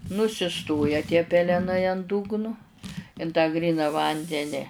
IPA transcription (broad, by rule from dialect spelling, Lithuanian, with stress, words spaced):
nʊsʲɪˈstoːjɛ tʲiɛ pʲɛlʲɛˈnɐɪ ɐn ˈdʊɡnʊ ɪn tɑː ˈɡrʲiːnɐ ˈʋɐnʲdʲɛnʲɪ